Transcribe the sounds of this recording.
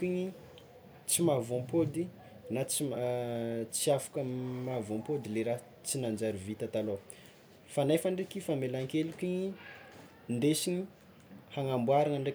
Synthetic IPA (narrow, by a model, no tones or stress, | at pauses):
kiɲi | t͡simavompod̪i | nat͡si | t͡siafḁkəmavompod̪ileɾa | t͡sinand͡ʒaɾivit̪at̪alo | fanajfaɳɖ͡ʐekifamelaŋkelukiɲi | nd̪esiɲi | haŋambwaɾaŋaɳɖ͡ʐe